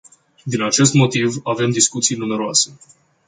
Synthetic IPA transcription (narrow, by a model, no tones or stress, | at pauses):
d̪inat͡ʃe̞s̬t̪mo̞t̪ivave̞md̪iskut̪sijnume̞ɾoase̞